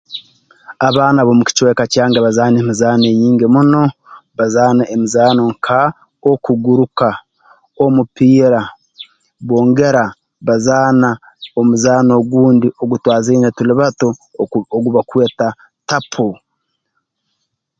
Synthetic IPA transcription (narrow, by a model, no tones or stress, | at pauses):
aβaːnaβomuci̥t͡ʃwekacaːŋɡaβazaːnemizaːneɲiːŋɡemuno̞βazaːnaʔemizaːnoŋkʰa | okuɡuɾuka | omupiːɾa | βoːŋɡe̞ɾa | βazaːna | omuzaːno̞ːɡuːndio̞ɡutwaːzenetuliβatooɡuβakwe̞ːta | tapʰo